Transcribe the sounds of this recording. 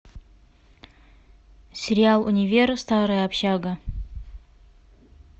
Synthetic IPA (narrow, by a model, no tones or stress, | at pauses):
sʲeɾialˠṵnʲivʲerstʰaɾajapʰʃaɡa